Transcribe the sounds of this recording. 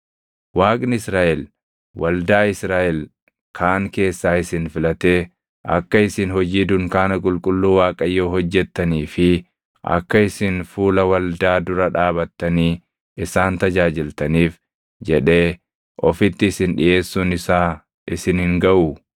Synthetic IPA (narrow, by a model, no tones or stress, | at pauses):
waːkʼnɪɪsɾaːʔɛl | wɐld̪aːɪsɾaːʔɛl | kʰaːŋke̞ːsːaːɪsɪnfɪlɐt̪eː | ʔɐ̰kːɐɪsɪnhɔd͡ʒiːd̪ʊŋkaːnɐkʼʊlkʼʊlːuːwaːkʼɐjːoːhɔd͡ʒːɛt̪ːɐniːfɪ | ʔɐ̰kːɐɪsɪnfuːlɐwɐld̪aːd̪ʊɾɐᶑaːbɐt̪ːɐniː | ɪsaːnt̪ɐd͡ʒaːd͡ʒɪlt̪ɐniːf | d͡ʒɛᶑe̞ː | ʔɔfɪt̪ːɪːsɪnᶑɪ̰ʔe̞ːsːuːnɪsaː | ʔɪsɪnhɪŋɡɐʔʊ